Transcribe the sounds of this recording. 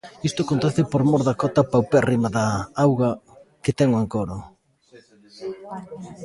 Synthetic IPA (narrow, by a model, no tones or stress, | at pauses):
ist̪ʊakont̪ɛθɪpoɾmoɾðakɔt̪ɐpawpɛrimaðaawɣaket̪ɛŋoeŋkoɾʊ